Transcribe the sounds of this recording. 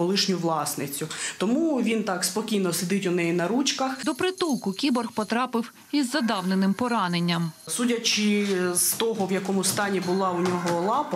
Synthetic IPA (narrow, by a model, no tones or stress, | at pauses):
ɔlˠɪʃnʲʊʋlˠɑsnɪt͡sʲʊt̪ɔmuʋʲint̪ɑkspɔkʲijnɔsed̪ɪtʲʊnɛjinɐɾut͡ʃkɐxd̪ɔpɾɪt̪ulˠkʊkʲibɔrxpɔt̪ɾɑpɪw | izːɐd̪ɑwnenɪmpɔɾɑnenʲːɐmsudʲɐt͡ʃɪz̥t̪ɔɦɔʋjɐkɔmʊst̪ɑnʲibʊlˠɑʊnʲɔɦɔlˠɑp